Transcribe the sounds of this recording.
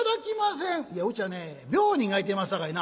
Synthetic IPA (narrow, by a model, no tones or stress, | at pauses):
d̪akʲimas̬ẽŋijaɯ̟t͡ɕianebʲoːɲĩŋait̪̬emasɨd̪akaina